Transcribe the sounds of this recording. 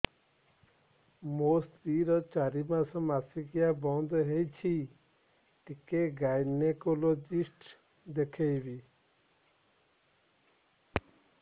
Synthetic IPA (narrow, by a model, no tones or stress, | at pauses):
most̪ɾiɾɔt͡ʃaɾimasɔmasikijabɔnd̪ʱɔɦejt͡ʃʰi | ʈikeɡajnekolod͡ʒisʈ | d̪ekʰejbi